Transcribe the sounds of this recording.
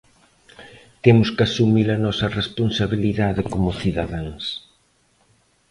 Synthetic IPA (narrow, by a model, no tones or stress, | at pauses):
t̪emʊskasumiɾɐnɔsɐresponsaβiliðaðɪkomʊθiðaðaŋs